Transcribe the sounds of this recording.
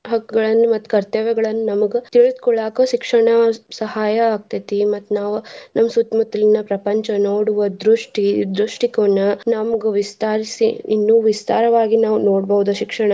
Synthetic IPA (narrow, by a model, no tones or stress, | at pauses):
ɦɐkːuɡɐɭɐnːumɐt̪ːu̥kɐɾt̪ɐʋɛɡɐɭɐnːunɐmɐɡet̪iɭud̪kɔɭːaːkoʃikʂɐɳɐsɐhaːjɐːɡ̚t̪ɐt̪imɐt̪ːunaːʋunʔɐmːɐsut̪mut̪ːɐlinːɐpɾɐpɐɲt͡ʃɐnoːɽuʋɐd̪ɾuʂʈid̪ɾuʂʈikɐɐnːɐnɐmɐɡuʋist̪aːɾisḭːnːuːʋist̪aːɾɐʋaːɡinaːʋunoːɽbɐʋud̪ɐʃikʂɐɳɐ